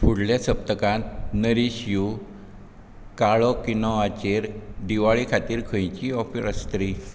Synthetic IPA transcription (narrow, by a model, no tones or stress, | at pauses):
fuɽljasəp̚t̪əkãt̪nəɾiɕju | kaɭɔkinɔat͡ɕeɾɖiʋaɭikʰat̪iːɾkʰə̃jt͡ɕiɔfiɾəst̪ɾi